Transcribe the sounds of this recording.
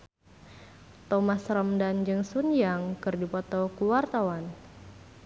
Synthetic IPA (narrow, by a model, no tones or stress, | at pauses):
t̪ɔmasrəmdand͡ʒɨŋsunjaŋkɨrdipɔt̪ɔkuwart̪awan